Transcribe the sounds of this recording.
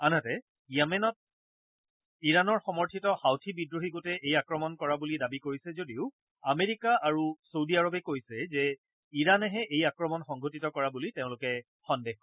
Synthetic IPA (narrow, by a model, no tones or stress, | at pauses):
anatɛ | jamɛnɔt̚ | iɹanɔɹxɔmɔɹtʰitɔxawtʰibidɹoɦiɡotɛʔejakɹɔmɔnkɔɹabulidabikoɹisɛzodiʊ | ameɹikaaɹusowdiaɹɔbɛkojsɛzɛ | iɹanɛɦɛʔejakɹɔmɔnxɔŋɡʱotitɔkɔɹabuliteʊ̃lʊkɛ | xɔndex